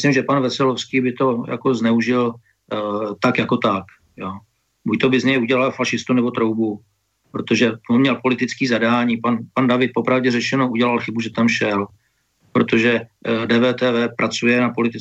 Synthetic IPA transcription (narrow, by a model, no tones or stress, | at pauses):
slɪmʒɛpanvɛsɛlofskiːbɪt̪o̞ja̰koznɛuʒɪl | t̪akjako̞t̪ak | joː | buct̪obɪzɲɛjuɟɛlalfaʃɪst̪unɛbo̞t̪ɾowbu | pɾot̪o̞ʒɛomɲɛlpo̞lɪt̪ɪt͡skiːzadaːɲiːpanpandavɪt̪̚po̞pɾavɟɛrɛt͡ʃɛnoʔuɟɛlalxɪbuʒɛt̪amʃɛl | pɾot̪o̞ʒɛdɛːvɛːt̪ɛːvɛːpɾʔat͡sujɛnapo̞lɪt̪ɪ